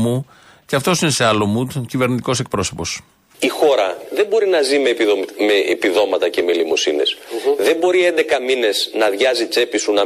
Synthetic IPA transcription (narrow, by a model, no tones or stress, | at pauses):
mu | ceɐft̪o̞sine̞seɐlo̞mut̪cive̞ɾnit̪iko̞se̞k̚pɾo̞so̞po̞s | ixo̞ɾɐðe̞mbo̞ɾinɐzimemeipiðo̞mɐt̪ɐce̞melimo̞sine̞̰sðe̞mbo̞ɾiend̪ekɐmine̞znɐðʝɐzit͡se̞pisunɐ